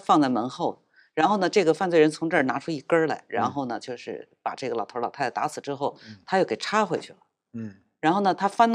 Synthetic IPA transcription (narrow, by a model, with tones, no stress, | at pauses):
fɑ˥˧ŋt͡sa˥˩ɪmə˧˥nxo˥˩ʊ | ɻa˧˥nxo˥˩ʊnə˩ʈ͡ʂɤ˥˩ɡə˩fa˥˧nt͡swe˥˩ɪɻə˧˥nt͡sʰʊ˧˥ŋʈ͡ʂna˧˥ʈ͡ʂʰu˥i˥˩kə˥lḛ˧˥ɪɻa̰˧˥nxo˥˩ʊnə˩t͡ɕjo˥˧ʊʂɻ̩̰˥˩pa̰˨˩ʈ͡ʂɤ˥˩ɡə˩lɑ˨˩ʊt̪ʰə˧˥lɑ̰˨˩tʰa˥˩˥t̪a̰˧˥t͡sʰɹ̩˨˩ʈ͡ʂɻ̩˥xo˥˩ʊt̪ʰa˥t͡ɕjo˥˩ʊke˨˩ʈ͡ʂʰa˥xwe˧˥ɪt͡ɕʰy˥˩lə˩ | ɻa˧˥nxo˥˩ʊnə˩t̪ʰa˥fa˥n